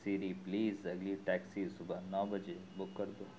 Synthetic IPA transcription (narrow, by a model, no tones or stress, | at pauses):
siːɾipliːzɐɡliʈɛːksisʊbənɔːbɐd͡ʒebʊkːɐɾd̪oː